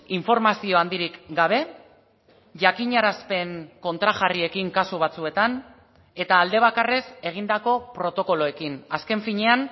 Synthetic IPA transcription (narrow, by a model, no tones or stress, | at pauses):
iɱfo̞ɾmasio̞and̪iɾikɡaβ̞e̞ | ʝakiɲaɾaspe̞ŋko̞nt̪ɾaʝarie̞kiŋkasuβ̞at͡sue̞t̪an | e̞t̪aːld̪e̞β̞akare̞se̞ɣ̞ind̪ako̞pɾo̞t̪o̞ko̞lo̞e̞kinaske̞ɱfiɲe̞an